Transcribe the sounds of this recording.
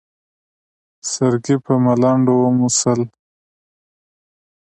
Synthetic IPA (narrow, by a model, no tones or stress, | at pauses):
saɾɡipəmalɑɳɖowomusəl